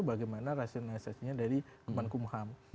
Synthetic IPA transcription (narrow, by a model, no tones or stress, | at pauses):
ubaɡajmanaɾasiɔnalisasiɲadaɾikumankumham